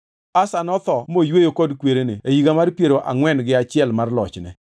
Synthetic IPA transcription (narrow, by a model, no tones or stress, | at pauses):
asanɔt̪ɔmojwejokɔdkweɾeneejiɡamarpjeɾoʔa̰ŋwɛnɡɪat͡ʃɪɛlmarlɔ̰t͡ʃnɛ̰